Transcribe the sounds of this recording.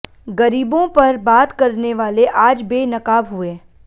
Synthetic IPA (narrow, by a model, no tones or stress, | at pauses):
ɡɐɾiːbõpɐɾbaːt̪kɐɾneʋaːleʔaːd͡ʒbeːnɐkaːbɦueː